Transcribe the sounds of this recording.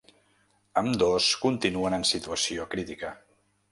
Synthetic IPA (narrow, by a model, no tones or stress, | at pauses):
əmd̪oskunt̪inuənənsit̪uəsiokɾit̪ikə